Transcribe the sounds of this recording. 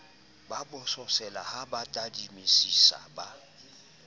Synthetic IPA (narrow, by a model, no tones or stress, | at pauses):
babʊsɔsɛlahabatʼadimisisa̰ba